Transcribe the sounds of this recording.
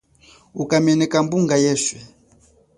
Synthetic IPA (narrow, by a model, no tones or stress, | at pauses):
ukamɛnɛkambuŋɡajɛʃwɛ